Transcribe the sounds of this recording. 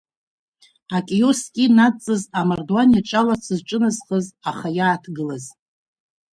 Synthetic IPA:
akʲʼejoskʲʼinat͡sʼːɨzamardoanjaʈ͡ʂʼalat͡sʰɨzʈ͡ʂʼɨnɨzχəzaχajaːtʰɡɨlaz

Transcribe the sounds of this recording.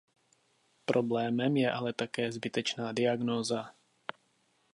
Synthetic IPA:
pɾʔo̞blɛːmɛmjɛʔalɛt̪akɛːzbɪt̪ɛt͡ʃnaːdɪaɡnoːza

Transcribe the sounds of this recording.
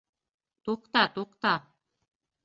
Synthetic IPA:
t̪uqt̪ɑt̪uqt̪a

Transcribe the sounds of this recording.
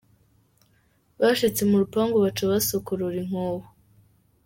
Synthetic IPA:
βaʃit͡se̞muɾupaːŋɡoβat͡ʃoβasokuɾuɾiŋ̥hoho

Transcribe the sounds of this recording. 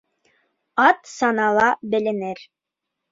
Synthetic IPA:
ɑt̪sɑnɑlˠɑbɘ̆lɘ̆nɘɾ

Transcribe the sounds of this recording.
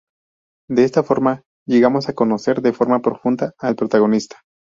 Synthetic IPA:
d̪eest̪afo̞ɾma | ʝe̞ɣamo̞sako̞no̞se̞ɾðe̞fo̞ɾmapɾo̞fund̪aːlpɾo̞t̪aɣo̞nist̪ḁ

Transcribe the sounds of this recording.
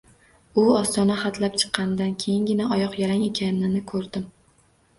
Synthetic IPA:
ʊɒst̪ɒnaχɑt̪ʰlap̚t͡ʃʰɨ̥qːɑnd̪ankʲʰe̞jɪŋɡʲɪnaʔɒjɒqjaɾaŋe̞kʲʰanɪnɪnɪkʰɵɾd̪ɪm

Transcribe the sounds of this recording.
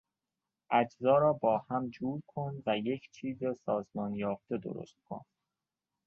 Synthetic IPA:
ʔæd͡ʒzɒːɾɒːbɒːhæmd͡ʒuːɾkʰonvæje̞cʰt͡ʃʰiːzesɒːzmɒːnjɒːft̪e̞d̪o̰ɾo̰st̪̚kʰo̰n

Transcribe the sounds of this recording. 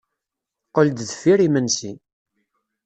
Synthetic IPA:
qəld̪ðəfːiɾimənsin

